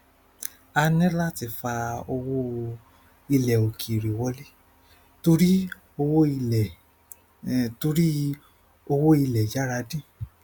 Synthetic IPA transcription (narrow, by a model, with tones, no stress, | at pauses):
a˧nɛ̃˦la˦ti˧˨fa˧o˧wo˦ | i˧lɛ˨o˨kʰi˨ɾi˨wɔ˧˦le˦ | to˧ɾi˦ | o˧wo˦i˧ɛ˨ | to˧ɾi˦ | o˧wo˦i˧lɛ˨d͡ʒa˦ɾa˧dĩ˦